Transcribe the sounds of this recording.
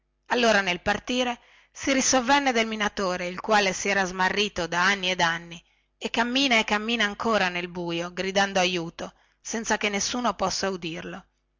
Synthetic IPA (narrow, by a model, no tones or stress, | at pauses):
alːoːɾanelpart̪iːɾe | siɾisovːɛnːed̪elminat̪oːɾeilkwaːlesiɛːɾazmarːiːt̪od̪aanːied̪anːi | ekːamːiːnaekːamːiːnaːŋkoːɾanelbuːjoɡɾid̪and̪oajuːt̪o | sɛnt̪sakenːesːuːnopɔsːaud̪irlo